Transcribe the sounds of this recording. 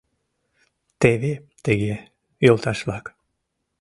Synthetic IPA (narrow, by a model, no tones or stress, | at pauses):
t̪eβet̪eɡe | jolˠt̪ʰɑʃlˠɑk